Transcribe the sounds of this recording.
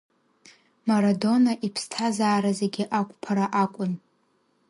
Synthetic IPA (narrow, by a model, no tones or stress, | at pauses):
maɾado̞naʔipʰstʰazaːɾaze̞ɡʲɪʔakʷʼpʰaɾaʔakʷʼʊn